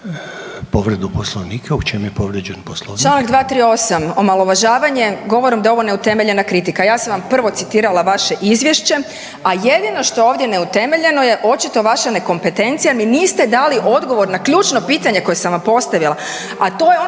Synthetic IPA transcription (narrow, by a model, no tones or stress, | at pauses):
poʋɾed̪uposlˠoʋniːkʰeut͡ʃemujepoʋɾed͡ʒenposlˠot͡ʃlˠaːnaɡd̪ʋaːt̪ɾiːo̞samo̞malˠo̞ʋaʒaːʋaɲe̞ɡo̞ʋo̞ɾimd̪ao̞ʋo̞neut̪e̞meʎe̞nakɾit̪ikajaːsamʋampr̩ʋo̞t̪sit̪iːɾalaʋaʃe̞ʔizʋje̞ʃt͡ɕe̞ | aje̞d̪ino̞ʃt̪o̞jeoːʋd̪je̞ne̞ut̪e̞me̞ʎe̞noje̞ʔo̞t͡ʃit̪o̞ʋaʃane̞ko̞mpe̞t̪e̞nt̪sijaminiːst̪e̞d̪aliʔo̞d̪ɡo̞ʋo̞ɾnakʎuːt͡ʃno̞piːt̪aɲe̞ko̞jesamʋampo̞st̪aʋilˠa | at̪o̞jeo